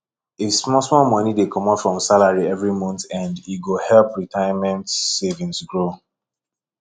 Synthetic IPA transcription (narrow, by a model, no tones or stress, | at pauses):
ismɔsmɔmɔnidekʰɔmɔtfɹɔ̃msalaɹiɛvɹimɔ̃ntãndiɡohɛlpɹitʰaɪmɛ̃ntsevĩnsɡɹo